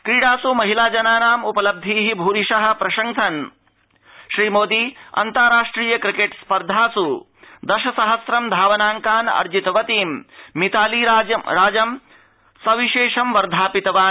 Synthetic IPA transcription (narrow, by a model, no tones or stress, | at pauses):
kɾiːɽaːsumɐɦilaːd͡ʒɐnaːnaːmupɐlɐb̚d̪ʱiːɦibʱuːɾiʃɐɦɐ̆pɾɐʃɐŋʃɐn | ʃɾiːmoːd̪iːɐ̰nt̪ɐɾaːʂʈɾiːjɐkɾikeʈspɐɾd̪ʱaːsu | d̪ɐʃɐsɐɦɐsɾɐmd̪ʱaːʋɐnaːŋkaːnɐ̰ɾd͡ʒit̪ɐʋɐt̪iːmːit̪aːliːɾaːɐɾaːd͡ʒɐm | sɐʋiʃeːʂɐmʋɐɾd̪ʱaːpit̪ɐʋaːn